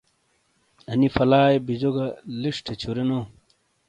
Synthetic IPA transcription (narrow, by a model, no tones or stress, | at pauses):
ɐnifɐlaːjbid͡ʑoɡɐliʂʈʰet͡ɕʰuɾeno